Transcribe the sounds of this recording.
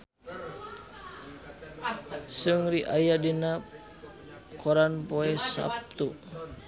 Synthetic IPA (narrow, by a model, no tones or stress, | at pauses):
suŋɾiʔajadinap | kʰɔɾanpoɛsa̰p̚t̪u